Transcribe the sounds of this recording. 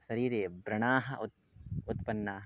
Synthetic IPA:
ʃɐɾiːɾeːbɾɐɳaːɦɐ̆ʔu | ut̪pɐnːaːɦ

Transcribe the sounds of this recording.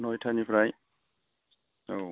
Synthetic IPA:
nɔjtʰanipʰɾaj | o

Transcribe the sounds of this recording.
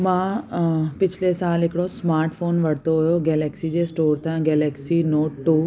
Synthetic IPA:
mã | pɪt͡ʃʰlesaːlekɽosmaːɾʈfʰoːnʋɐɽ̤t̪oɦʊjoɡɛːlɛksid͡ʑeːsʈoːɾt̪ʰãɡɛːlɛːksinoːʈʈːuː

